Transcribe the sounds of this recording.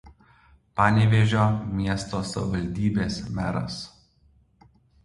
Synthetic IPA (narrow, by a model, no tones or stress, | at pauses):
pɑːnʲɪʋʲɛʒʲoːmʲiɛst̪oːsɐ̰ʋʲɪʋɐlʲd̪ʲiːbʲeːsmʲæ̰ɾɐ̰s